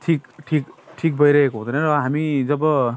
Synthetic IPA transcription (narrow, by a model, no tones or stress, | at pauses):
ʈʰikʈʰikʈʰik̚bʱʌjɾʌɦekoɦũd̪enʌɾʌɦamid͡zʌbʌ